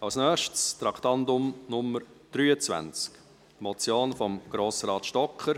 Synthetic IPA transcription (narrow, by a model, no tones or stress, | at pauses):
ɑlsnœːʃtst̪ɾɑkʰt̪ɑndʊmnʊməɾ | d̪̥ɾyːət͡svæ̰nt͡sk | mɔt͡sjoːnfɔmɡ̥ɾoːsɾɑːt̪ʃtɔkχəɾ